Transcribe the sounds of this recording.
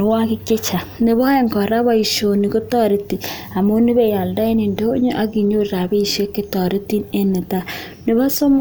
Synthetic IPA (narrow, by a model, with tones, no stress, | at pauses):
wa˦kɪ˦kɪ˦t͡ʃa˨nɪ˨βɔ˦e˦ŋkɔ˨ɾa˦βa˦i˨ʃo˨ni˨ko˦tɔ˦ɾɪ˦ti˨ | a˨mo˦nɪ˦βe˦˨ja˨lda˦i˦ni˨ndo˦ɲo˦ʔa˦ki˨ɲo˦ɾɾa˨be˦i˨ʃe˦kːɪ˦tɔ˨ɾi˦ti˦ne˦nɪ˨ta˦ | nɪ˨βa˦so˦m